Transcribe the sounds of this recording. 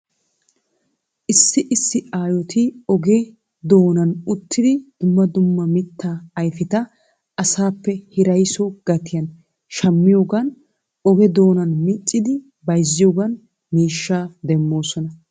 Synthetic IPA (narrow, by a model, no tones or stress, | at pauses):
ʔɪsːɪʔɪsːɪʔaːjɔt̪ʰɪɔɡɛ | d̪o̞ːnɐnʊt̪ːɪd̪ɪd̪̥ʊmːɐd̪ʊmːɐmɪt̪ːaːɐjfɪt̪ɐ | ɐsaːpːɛhɪɾɐjsɔɡ̥ɐt̪ɪjɐn | ʃɐmːɪjoːɡɐn | ʔɔɡɛd̪o̞ːnɐnmɪt͡ʃʼːɪd̪ɪ | bɐjzːɪjoːɡɐn | miːʃːaːd̪ɛmːo̞ːsɔnɐ